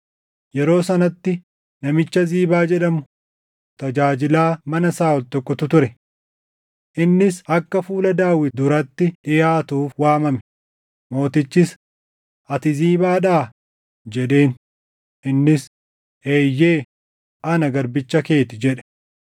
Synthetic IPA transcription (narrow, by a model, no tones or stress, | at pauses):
jɛɾo̞ːsɐnɐt̪ːɪ | nɐmɪt͡ʃːɐziːbaːd͡ʒɛᶑɐmʊ | t̪ɐd͡ʒaːd͡ʒɪlaːmɐnɐsaːɔlt̪ɔkːɔt̪ʊt̪ʊɾɛ | ʔɪnːɪsɐkːɐfuːlɐd̪aːwɪd̪ʊɾɐt̪ːɪᶑɪjaːt̪uːfwaːmɐmɛ̥ | mo̞ːt̪ɪt͡ʃːɪs | ʔɐt̪ɪziːbaːᶑaː | d͡ʒɛᶑe̞ːn | ʔɪnːɪs | eːjːe̞ː | ʔɐnɐɡɐɾbɪt͡ʃːɐke̞ːt̪ɪd͡ʒɛᶑɛ̥